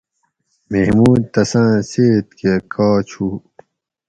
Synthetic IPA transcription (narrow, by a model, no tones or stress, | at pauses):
meɦmuːd̪̚t̪ɐsãːseːt̪̚kekʰaːt͡ɕʰuː